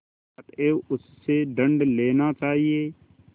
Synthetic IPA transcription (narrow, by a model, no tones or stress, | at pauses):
ɐt̪eʊsːeɖə̃ɳɖleːnat͡ʃaːɦieː